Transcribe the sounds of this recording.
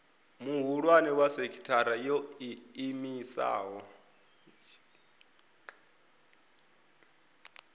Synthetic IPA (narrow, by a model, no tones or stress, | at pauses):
muɦuɺwanɛwasekʰi̥tʰaɾajɔiːmisa̰ːɦɔ